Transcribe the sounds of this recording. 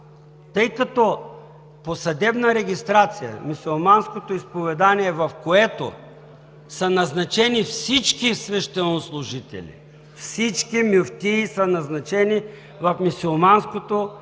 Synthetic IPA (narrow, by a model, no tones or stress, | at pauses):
t̪ɤjkɐt̪ɔ | posɐd̪ɛbnɐɾɛɡʲist̪ɾat̪sijɐ̰misʲolˠmanskot̪oispovɛd̪aniɛvɐfkoɛt̪o̰ | sɐnɐznɐt͡ʃɛnifsit͡ʃkisvɛʃt̪ɛnoslˠʊʒit̪ɛ̰lʲḭ | fsit͡ʃkimʲuft̪isɐnɐznɐt͡ʃɛni | vɐfmisulˠmanskot̪o